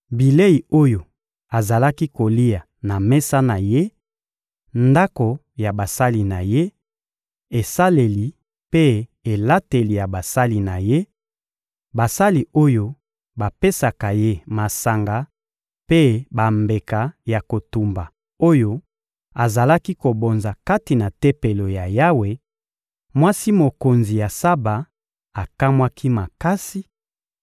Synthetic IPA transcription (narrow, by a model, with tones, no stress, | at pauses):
bi˨le˦i˨o˦jo˨ | a˨za˨la˦ki˦ko˨li˦a˨ | na˨me˦sa˦na˨je˦ | nda˦ko˨ | ja˨ba˨sa˦li˨na˨je˦ | e˨sa˦le˨li˨ | pe˦e˨la˦te˨li˨ja˨ba˨sa˦li˨na˨je˦ | ba˨sa˦li˨o˦jo˦ | ba˨pe˦sa˨ka˨je˦ma˨sa˨ŋɡa˨ | pe˦ba˨mbe˨ka˨ja˨ko˨tu˨mba˨ | o˦jo˦ | a˨za˨la˦ki˦ko˨bo˨nza˨ka˦ti˨na˨te˦pe˨lo˨ja˨ja˦we˨ | mwa˦si˦mo˨ko˨nzi˨ja˨sa˦ba˨ | a˨ka˦mwa˦kʰi˦ma˨ka˦si˦